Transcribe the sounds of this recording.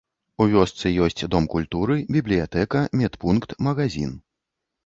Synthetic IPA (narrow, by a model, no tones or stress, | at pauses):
uvʲɔst̪sɨjɔsʲt͡sʲd̪ɔmkulʲt̪uɾɨbʲiblʲijat̪ɛkɐmʲɛt̪punkt̪mɐɣazʲḭn